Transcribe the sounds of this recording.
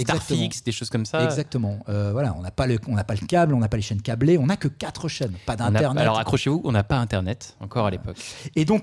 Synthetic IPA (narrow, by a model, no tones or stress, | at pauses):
ɛɡ̪zaʁkt̪əĩksd̪eʃoz̥kɔmsaɛɡzak̚t̪əmɑ̃øvwalaɔ̃napaləɔ̃napaləkablɔ̃napaleʃɛnkʲableɔ̃nakəkat̪χəʃɛnpad̪ɛ̃tnɛʁnɛalɔʁakχɔʃevuʔɔ̃napaɛ̃t̪ɛʁnɛt̪ɑ̃kɔʁalepɔked̪ɔ̃k